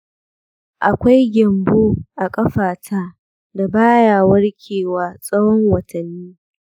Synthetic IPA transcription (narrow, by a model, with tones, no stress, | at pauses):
ʔa˨kʷa˦jɡʲɐ˨mboː˦ʔa˨kʼɐ˦ɸaː˨tʰaː˦ | da˨baː˦jaː˨wɐ˦rkʲʰeː˨waː˨sʼɐ˦wɔ˦ŋwɐ˨tʰɐ˨nːiː˦